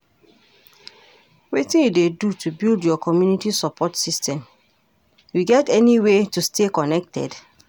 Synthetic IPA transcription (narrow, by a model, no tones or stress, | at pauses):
wetĩnjudedutʰubildjɔkɔmjunitisɔpʰɔtsistʰɛ̃m | juɡɛtɛniwetustekɔnɛk̚tʰɛ̰d